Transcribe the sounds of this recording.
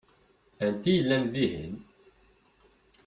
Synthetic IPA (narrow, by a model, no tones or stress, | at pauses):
ənt̪ijəlːænðihḭn